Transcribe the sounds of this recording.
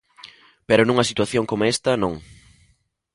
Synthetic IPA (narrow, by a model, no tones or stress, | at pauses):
peɾʊnũŋɐsit̪waθjoŋkomɛst̪ɐnõŋ